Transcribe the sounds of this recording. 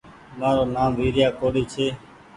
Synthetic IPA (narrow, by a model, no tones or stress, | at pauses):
mãːɾoːnaːmʋiːɾɪjaːkoːɽeːt͡ʃʰeː